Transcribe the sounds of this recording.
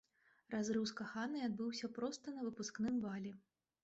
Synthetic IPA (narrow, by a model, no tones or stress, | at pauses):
razɾɨwskaxanɨad̪̚bɨwsʲɐpɾɔst̪ɐnɐvɨpusknɨmvalʲɛ